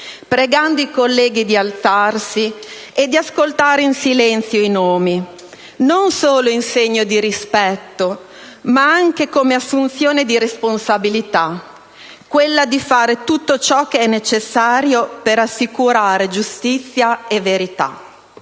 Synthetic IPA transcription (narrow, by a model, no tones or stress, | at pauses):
pɾeɡand̪oikolːɛːɡid̪ialt̪sarsi | ed̪ːiaskolt̪aːɾeinsilɛnt̪sjoinoːmi | nonsoːloinseɲːod̪iɾispɛt̪ːo | maaŋk̟ekomeasːunt̪sjoːned̪iɾesponsabilit̪a | kwelːad̪ifaːɾet̪ut̪ːot͡ʃɔk̟eɛnːet͡ʃesːaːɾjopeɾasːikuɾaːɾed͡ʒust̪it̪sːjaeveɾit̪a̰